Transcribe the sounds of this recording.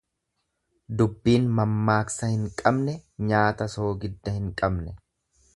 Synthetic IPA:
d̪ʊbːiːnmɐmːaːksɐhɪŋkʼɐbnɛɲaːt̪ɐso̞ːɡɪd̪ːɐhɪŋkʼɐbnɛ

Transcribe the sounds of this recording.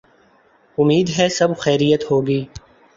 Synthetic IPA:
ʊmːiːd̪ɦɛsɐbxɛːɾijət̪hoːɡiː

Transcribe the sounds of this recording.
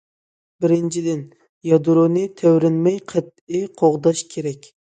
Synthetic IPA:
bɪɾɪnt͡ʃʰid̪ɪn | jɑd̪uɾunɨt̪ʰæwɾɪnmɛjqʰət̪̚ɪqʰoʁd̪ɑʃkʲʰeɾɛkʲ

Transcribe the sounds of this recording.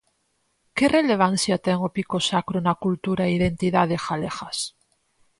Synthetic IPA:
kerele̞β̞an̟θjat̪eŋopikosakɾonakult̪uɾaeiðent̪iðað̞exalexas

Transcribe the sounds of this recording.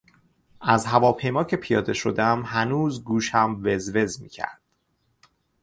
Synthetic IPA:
ʔæzɦævɒːpʰe̞jmɒːcʰe̞pʰijɒːd̪e̞ʃo̞d̪eæmhænuːzɡuːʃhæmve̞zve̞zmiːcʰæ̰ɾd̪̥

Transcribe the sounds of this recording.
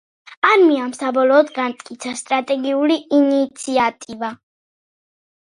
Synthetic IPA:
aɾmiamsabɔlɔːd̪ɡant̪ʼkʼit̪sʰast̪ʼɾat̪ʼɛɡiuliinit̪sʰiat̪ʼiva

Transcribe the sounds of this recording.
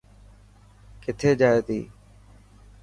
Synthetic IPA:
kɪt̪ʰeːd͡ʒaːeːt̪ḭː

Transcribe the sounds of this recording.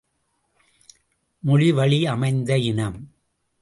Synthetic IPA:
mʊɻɪʋɐɭiɐmɐɪnd̪ɐɪnɐm

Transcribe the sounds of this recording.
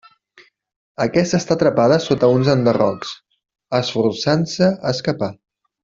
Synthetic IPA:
əkɛst̪əːst̪at̪ɾəpaðəsot̪əunzənd̪ərɔ̰ks | əsfuɾsansəəskəpa

